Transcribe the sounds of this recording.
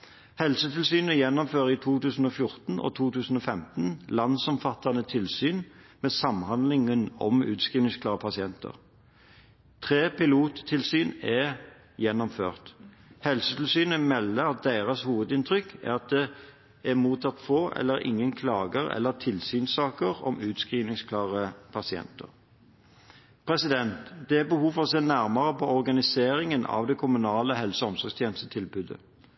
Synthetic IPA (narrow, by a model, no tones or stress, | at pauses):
hɛlsət̪ʰɪlsyːnəjɛnːɔmføːʁit̪ʰuːt̪ʉːsn̩ɔːfjʊʁt̪n̩ɔ̰t̪ʰuːt̪ʉːsn̩ɔːfɛmt̪n̩lɑnsɔmfɑt̪ːɑnət̪ʰɪlsyːnmeːsɑmhɑnd̪lɪŋənɔ̰mʉ̰ːt̪skʁiːmɪŋsk̪ʰɑːʁəpʰɑsɪɛnt̪ʰə̰ʁ | t̪ʰʁeːpɪluːt̪ʰːɪlsyːnɛ | jɛnːɔmføːʁt̪ | hɛlsət̪ʰɪlsyːnəmɛlːəɑt̪̚d̪eɪʁɑshuːʋəd̪ɪnt̪ʰʁʏkːæ̰ʁɑt̪̚d̪ɛ | æmuːt̪ʰɑt̪foːʔɛ̰lːəɾɪ̰ŋːənkʰlɑːɡəʁɛ̰lːəʁt̪ʰɪlsyːnsɑːkəʁɔ̰mʉːt̪skʁiːʋnɪŋskʰlɑːʁəpʰɑsɪɛ̰nt̪ə̰ʁ | pʰʁɛsɪd̪ɛnt̪d̪ɛæbəhuːfɔʁɔseːnæʁmɑʁəpɔɔʁɡɑnɪseːʁɪŋənʔɑ̰ʋd̪ɛkʰʊmʉnɑːləɦɛlsəɔmsɔʁkst̪ʰjeːnəst̪ət̪ʰɪlbʉd̪ə̰